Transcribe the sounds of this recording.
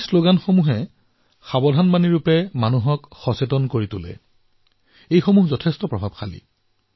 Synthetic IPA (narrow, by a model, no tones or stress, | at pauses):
sloɡanxomuɦɛ | xabɔdʱanmaniɹupɛmanuɦɔkxɔsetɔnkoɹitʊlɛ̰ | ejxomuɦzɔtʰɛstɔpɹɔbʱab̚xʰalḭ